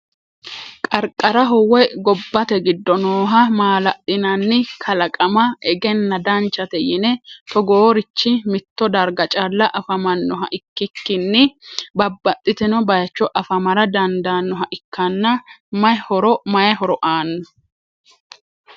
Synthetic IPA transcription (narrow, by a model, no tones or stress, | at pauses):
kʼɐɾkʼɐɾɐɦɔwɛjɡɔbːɐt̪ɛɡɪd̪ːɔnoːɦɐmaːlɐʔɪnɐnːɪkʰɐlɐkʼɐmɐɛɡɛnːɐd̪ɐnt͡ʃːɐt̪ɛjɪnɛt̪ɔɡoːɾɪt͡ʃːɪmɪt̪ːɔd̪ɐɾɡɐt͡ʃʼɐlːɐʔɐfɐmɐnːɔɦɐ̰ʔɪkːɪkːɪnːɪbɐbːɐt̪ʼːɪt̪ɛnɔbɐjɐt͡ʃːɔʔɐfɐmɐɾɐd̪ɐnd̪aːnːɔɦɐʔɪkʰːɐnːɐmɐjhɔɾɔmɐjɐɦɔɾɔʔaːnːɔ